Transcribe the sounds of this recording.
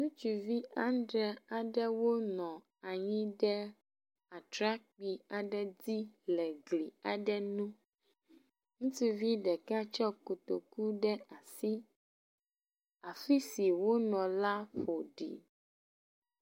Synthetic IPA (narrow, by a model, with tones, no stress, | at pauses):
nũ˦t͡ʃu˨vi˦ã˦nɖɾɛ˨a˨ɖɛ˦wo˦nɔ̃˨ | a˨ɲĩ˦ɖɛ˦ | a˨tɾa˦k̚k͡pi˨a˨ɖɛ˦di˦lɛ˨ɡli˨a˨ɖɛ˦nũ˦ | ŋũ˦t̪i˦vi˦ɖɛ˨ka˦t͡ʃɔ˦ko˨t̪o̰˨ku˦ɖɛ˦a˨si˦ | a˨fi˦si˨wo˦nɔ̃˨la˦ɸo˨ɖḭ˨